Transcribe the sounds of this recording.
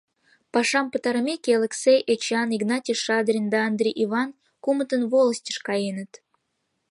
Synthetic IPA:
pɑʃɑmpə̆t̪ɑɾmʲekʲɑleksejʔet͡ɕɑniɡnɑtʲiʃɑd̪rʲind̪ɑːnd̪rʲiʔivɑn | kumət̪ənvolˠəsʲtʲə̥ʃkɑjenət̪

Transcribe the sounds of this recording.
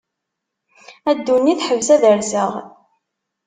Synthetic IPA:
æd̪ːunːiθħəvzæðəɾzəʁ

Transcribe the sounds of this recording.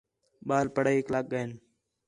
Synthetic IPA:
ɓaːlpəɽəːklaːk̚ɡəɪn

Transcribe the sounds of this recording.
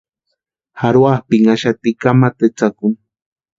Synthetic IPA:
haɾwahpɪŋaʃat̪ɪkamat̪et͡sakʊŋ

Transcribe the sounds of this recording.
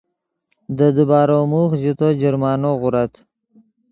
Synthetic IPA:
d̪əd̪ubɑːɾomuxzit̪od͡ʒɪɾmɑːnoɣʊɾat̪

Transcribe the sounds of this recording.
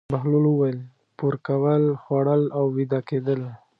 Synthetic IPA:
baɦlulwəwajl | puɾkawəlxwaɽəlawːid̪ɑked̪əl

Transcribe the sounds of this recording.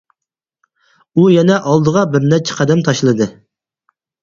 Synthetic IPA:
ujɛnɛʔɑlˠd̪əʁɑbɪɾnɛt͡ʃʰɛ̥qʰɑd̪ɛmt̪ʰɑʃlˠɨd̪ɨ

